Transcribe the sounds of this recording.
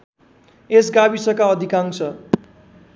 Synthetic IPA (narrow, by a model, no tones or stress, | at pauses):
esɡabisʌkaʌd̪ʱikãŋt͡sʰʌ